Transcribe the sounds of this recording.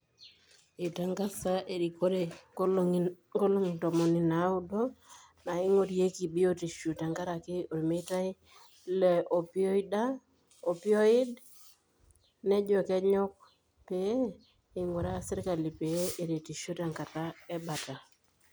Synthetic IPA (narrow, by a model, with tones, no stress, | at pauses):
ɪ˨ta˦ŋka˦sa˦ʔe˨ɾi˨ko˦ɾe˨ | ko˦lo˦ŋ˨to˨mɔ˨nɪ˨na˨˦ʊ˦do˦ | na˨ɪ˦ŋo˦ɾie˦ki˨bi˦o˦ti˨ʃu˨ta˨ŋka˦ɾa˨kɪ˦o˨ɾi˨me˦ta˦i˦ | le˨ʔo˨pi˦o˦i˦da˦ | o˨pi˦o˦ɪ˦d | ne˦d͡ʒo˨kɛ˦ɲɔ˦k̚ | pe˨e˦ | ɪ˨ŋwu˨ɾa˦se˦ɾɪ˦ka˨li˨pe˨˦ʔe˨ɾe˨ti˨ʃo˦ta˨ŋka˨ta˦ɛ˦ba˨ta˨